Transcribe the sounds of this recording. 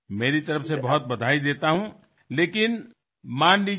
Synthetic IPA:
meːɾit̪ɐɾəfʰsebɐɦʊt̪̚bɐd̪ʱaːid̪eːt̪aɦũ | leːkɪn | maːnli

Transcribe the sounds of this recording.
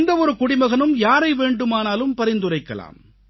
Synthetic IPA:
nd̪ɐɔɾɯkʊɽɪmɐɣɐnɯmjaːɾɐɪʋeːɳɖɯmaːnaːlɯmpɐɾɪnd̪ɯrɐɪkːɐ̰la̰ːm

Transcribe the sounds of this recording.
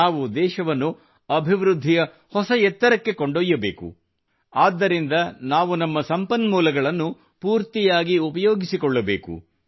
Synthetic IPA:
aːʋud̪ɛːʃɐʋɐnːu | ɐbʱiʋɾud̪ʱːijɐ | hɔsɐjɛt̪ːɐɾɐkːe̞koɳɖojːɐbeːkṵ | aːd̪ːɐɾind̪ɐnaːʋunɐmːɐsɐmpɐnmuːlɐɡɐɭɐnːu | puːɾt̪ijaːɡiupɐjoːɡisikɔɭːɐbḛːkṵ

